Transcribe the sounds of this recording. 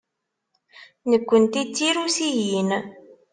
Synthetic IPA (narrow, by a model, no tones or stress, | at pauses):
nəkʷːənt̪it͡sːiɾusijin